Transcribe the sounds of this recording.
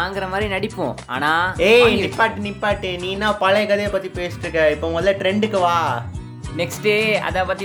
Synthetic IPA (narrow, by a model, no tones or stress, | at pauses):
aːŋɡɪɾɐmaːd̪ɾinɐɽɪpːõ̰a̰ːnaːeːnɪpːaːʈːɯnɪpːaːʈːeniːnːãːpɐlɐkɐðɐjɐpːɐt̪ːipeːsɪ̥ʈːɾɯkːɐ̃ɪpːoːmɐðlɐʈɾɛɳɖɯkːɯʋaː | nɛksʈeːɐ̰ðaːpɐt̪ːi